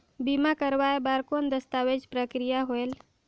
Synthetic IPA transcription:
bimakəɾʋaebaɾkond̪əst̪aʋed͡ʒpɾəkɾijaɦoel

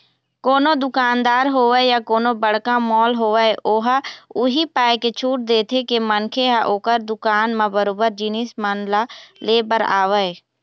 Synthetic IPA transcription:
koːnod̪ʊkaːnd̪aːɾɦoːʋəjakoːnobəɽ̤kãmɔːlɦoːʋəeʔoːɦaʊɦipaːjket͡ʃʰuːʈ̚d̪eːt̪ʰekemənkʰeɦaʔoːkəɾd̪ʊkaːnmãbəɾoːbəɾd͡ʒiːnismənlaleːbəɾa̰ːʋə

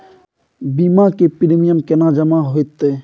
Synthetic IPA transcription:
biːmakepiɾimijəmkenaːd͡ʒəmaɦoit̪ːe

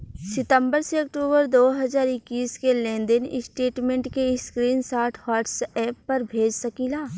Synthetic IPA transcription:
sɪt̪ə̃mbəɾseɐk̚ʈuːbəɾd̪oːɦɐzaːɾɪkːiːskelẽːnd̪ɪnɪ̰sʈeːʈmẽɳʈkeskɾiːnsaːɾʈʰhaːʈsɛːpːɐɾbʱeːd͡ʒsɐkiːlaː

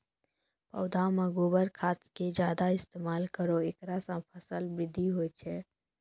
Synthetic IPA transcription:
pə̰ːd̪ʱamə̃ɡoːbəɾkʰaːt̪ked͡ʒjaːd̪aɪst̪eːmaːlkəɾoeːkɾasə̃pʰəsəlbɾɪd̪ʱiɦoːt͡ʃʰɛː

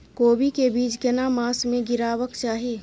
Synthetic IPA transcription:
koːbikebiːt͡ʃkənamaːsmẽɡɪɾaːwəkt͡ʃaːɦie

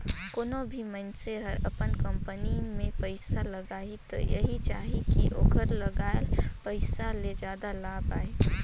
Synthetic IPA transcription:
koːnobʱimənseɦəɾəpənkə̃mpənimẽpəɪsaləɡaːit̪o̰jə̰ɦit͡ʃaːɦikḭʔo̰ːɡəɾləɡaːlpəɪsaled͡ʒjaːd̪alaːbaːe

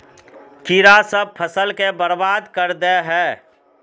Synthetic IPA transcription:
kiɾasəb̚pʰəsəlkebəɾbaːd̪kəɾd̪eɦɛː

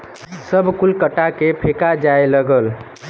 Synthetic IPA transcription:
səbʱkulkəʈakepʰekad͡ʒaeləɡəl

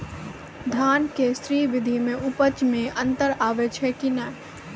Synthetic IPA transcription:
d̪ʱaːnkesɾiːʋɪd̪ʱimẽʔʊpət͡ʃmẽʔɐ̃nt̪əɾaːʋet͡ʃʰɛkinɐ

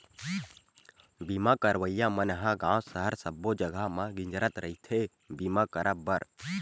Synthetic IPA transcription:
bimakəɾʋəjamənɦãɡãːwsəɦəɾsəbːod͡ʒəɡʱamãɡɪ̃ɲd͡ʒɾət̪ɾəit̪ʰe | bimakəɾʔəbəɾ

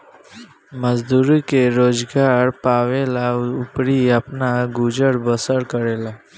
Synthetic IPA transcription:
məd͡zd̪uɾikeɾod͡zɡaɾpaʋelaupɽiapnaɡud͡ʒəɽbəsəɽkəɾela

